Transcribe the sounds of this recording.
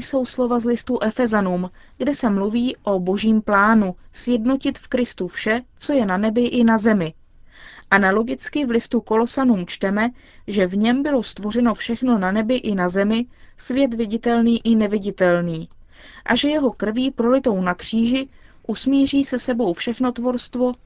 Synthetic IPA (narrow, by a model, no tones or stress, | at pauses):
so̞wslo̞vazlɪst̪uʔɛfɛzanuːmɡdɛsɛmluviːʔo̞bo̞ʒiːmplaːnusjɛdno̞cɪt̪fkɾɪst̪ufʃɛt͡so̞jɛnanɛbɪʔɪnazɛmɪ | ʔanalo̞ɡɪt͡skɪvlɪst̪uko̞lo̞sanuːmt͡ʃt̪ɛmɛ | ʒɛvɲɛmbɪlo̞st̪vo̞r̝ɛno̞fʃɛxno̞nanɛbɪʔɪnazɛmɪsvjɛt̪vɪɟɪt̪ɛlniːʔɪnɛvɪɟɪt̪ɛlniː | ʔaʒɛjɛɦo̞kr̩viːpɾolɪt̪o̞wnakr̝̥iːʒɪ | ʔusmiːr̝iːsɛsɛbo̞wfʃɛxno̞t̪vo̞ɾst̪vo̞